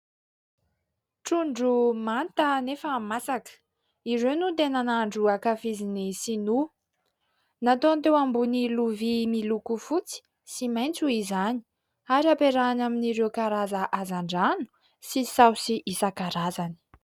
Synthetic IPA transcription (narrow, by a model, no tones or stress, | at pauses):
ʈ͡ʂuɳɖ͡ʐumant̪ənefəmasakə̥ | iɾewnut̪enanaɳɖ͡ʐuakafizinisinu | nat̪ont̪ewambuniluvimilukufut͡si̥ | simajnt͡suizani̥ | aɾiapeɾanaminiɾewkaɾazaʔazaɳɖ͡ʐanu̥ | sisawsiʔisakaɾazani̥